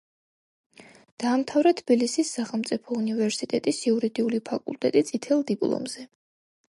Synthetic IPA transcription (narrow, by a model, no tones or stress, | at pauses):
d̪̥aːmt̪ʰavɾat̪ʰbilisisːaχɛlˠmt̪sʼipʰɔunivɛɾsit̪ʼɛt̪ʼisiuɾid̪iulipʰakʼṵlˠt̪ʼɛt̪ʼit̪sʼit̪ʰɛlˠd̪ipʼlˠɔ̰mz̥ɛ